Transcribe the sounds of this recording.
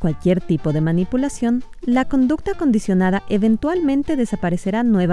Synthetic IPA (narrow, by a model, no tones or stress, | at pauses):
kwalkje̞ɾt̪ipo̞ðe̞manipulasjo̞n | lako̞nd̪uk̚t̪ako̞nd̪isjo̞naðaʔe̞βe̞nt̪walmẽ̞nt̪e̞ðe̞sapaɾe̞se̞ɾanwe̞β